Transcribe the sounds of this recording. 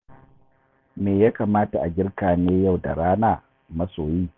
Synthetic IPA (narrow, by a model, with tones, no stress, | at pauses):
meː˨ja˦kaː˨maː˦ta˨ʔa˨ɡʲɪ˦rkaː˨neː˦ja˦˨wda̰˨ɽaː˦naː˨ | mɐ˦soː˨jiː˦